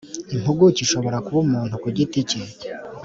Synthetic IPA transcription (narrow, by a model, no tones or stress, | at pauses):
im̥huɡuciʃo̞βo̞ɾakuβumuːnhukuɟiticiɟe